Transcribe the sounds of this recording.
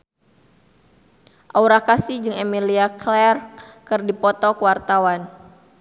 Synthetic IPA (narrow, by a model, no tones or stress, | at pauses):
ʔauɾakasid͡ʒɨŋemiliaklɛrkɨrdipɔt̪ɔkəwart̪awan